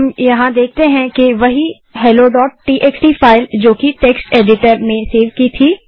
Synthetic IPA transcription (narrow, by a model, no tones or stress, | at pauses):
ɐmjɐɦãd̪eːk̚ʰt̪eɦɛ̃kiʋɐɦi | ɦɛːloɖɔːʈ̚ːiːʔeːksʈifʰaːɪld͡ʒoːkiʈeːksʈeːɖɪʈəɾmẽseːɾʋkit̪ʰiː